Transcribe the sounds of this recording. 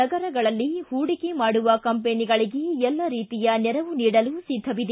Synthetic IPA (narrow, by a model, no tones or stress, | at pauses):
ɐɡɐɾɐɡɐɭɐlːihuːɽikemaːɽuʋɐkɐmpeniɡɐɭiɡeɛlːɐɾiːt̪ijɐnɛɾɐʋuniːɽɐlusid̪ʱːɐʋid̪e